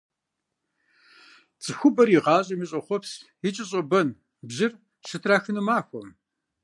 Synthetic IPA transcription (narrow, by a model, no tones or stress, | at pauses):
t͡sʼɨxʷʊbɐriʁɑːɕʼɐmɨɕʼɐχʷɔpsjɪt͡ʃʼɪɕʼɐbɐn | bʑɪr | ʃɨtʰraːxɨnɨmaːxʷɔm